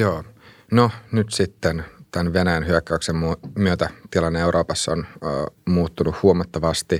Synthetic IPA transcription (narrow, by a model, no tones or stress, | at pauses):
joː | nonyt̪sit̪ːent̪ænʋenæjænɦyøkːæyksemːumyøt̪æt̪ilɑnːeuɾʔoːpɑsːonːmuːt̪ːunuhhuomɑt̪ːɑʋɑst̪i